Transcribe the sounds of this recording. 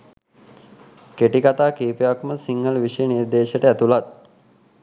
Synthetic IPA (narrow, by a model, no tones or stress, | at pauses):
keʈikat̪aːkiːpejakməsiŋɡəlʋiʃəjəniɾd̪eːʃəʈəæt̪ulat̪̚